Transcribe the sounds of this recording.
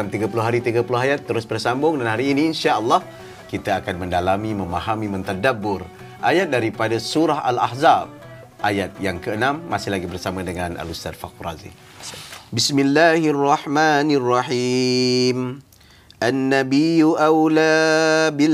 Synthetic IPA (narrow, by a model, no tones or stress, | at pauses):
amt̪iɡap̬ulʊɦaɾit̪iɡapulʊɦajat̪ːəɾʊsbərsambʊŋdanɦaɾiːniːnʃaʔəlːɑh | kit̪aakanmə̃ndalamimə̃mahamĩmə̃nt̪adabːʊr | ʔajat̪̚daɾipadasuɾaɦa̰la̰hzab̚ | ʔajat̪̚jaŋkəənãmːasɪhlaɡibərsamãdəŋana̰lust̪adfa̰k̚ura̰zḭ | bismilːaːharːɑħmanrˤːɑħi | m | ʔanːabijuʔawlabi